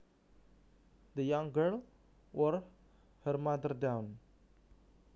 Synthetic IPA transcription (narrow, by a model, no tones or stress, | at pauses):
d̪əjãŋɡəl | wɔɾ | həɾmad̪əɾdãw̃n